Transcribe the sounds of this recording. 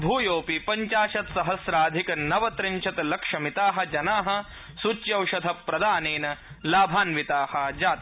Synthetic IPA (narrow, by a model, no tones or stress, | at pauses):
bʱuːjoːpipɐɲt͡ʃaːʃɐt̪sɐɦɐsɾaːd̪ʱikɐnɐʋɐt̪ɾɪɲt͡ʃʰɐt̪ɐlɐkʂɐmit̪aːɦɐ̆d͡ʒɐnaːɦɐ̆ | sut͡ʃjɐwʃɐd̪ʱɐpːɾɐd̪aːneːnɐ | laːbʱaːnʋit̪aːhɐd͡ʒaːt̪